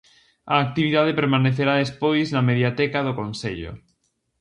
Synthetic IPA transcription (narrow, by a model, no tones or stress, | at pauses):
aːk̚t̪iβiðað̞epeɾmaneθeɾaðespojznameðjat̪ɛkaðokonseʎo̰